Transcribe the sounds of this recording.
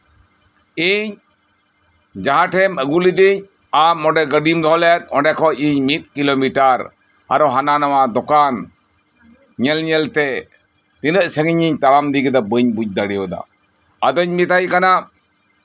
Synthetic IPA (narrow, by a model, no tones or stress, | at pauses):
iɲ | d͡ʒaɦãʈʰɛməɡulid̪iɲ | amːɔɖɛɡəɖimd̪ɔɦɔlɛjɛt̪̚ˀɔ̰ɖɛkʰɔiɲmit̪̚ˀkilomiʈaɾ | a̰ɾɔɦananawaʔd̪ɔkan | ɲɛlɲɛlt̪ɛ | t̪inəʔsəŋiɲiɲt̪alamd̪iɡid̪ɔbəɲbuc̚d̪aɽijɔd̪a̰ | ad̪ɔɲmit̪ajkana